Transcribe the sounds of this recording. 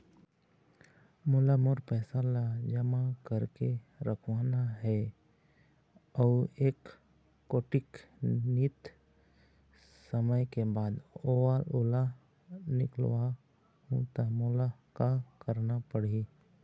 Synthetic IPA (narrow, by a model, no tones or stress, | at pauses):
mʊlamoɾpɛːsalad͡ʒəmakəɾkeɾəkʰʋaːnaɦɛ | ɔːeːkː | oːʈɪknɪt̪ | səməjkebaːd̪owalʊla | nɪ̰klʋa | hũt̪amolakakəɾnapəɽi